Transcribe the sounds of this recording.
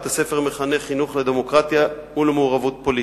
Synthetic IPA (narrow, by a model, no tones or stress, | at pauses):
t̪ase̞fe̞ʁmeχane̞χinuχled̪emo̞kʁat̪jaulemeuʁavut̪po̞li